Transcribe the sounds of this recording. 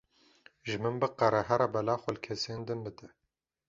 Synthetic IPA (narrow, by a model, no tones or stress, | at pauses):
ʒɨmɨmbɨqɛɾɛɦɛɾɑbɛlaːxʷɛlkʰɛseːnd̪ɨnbɨd̪ɛ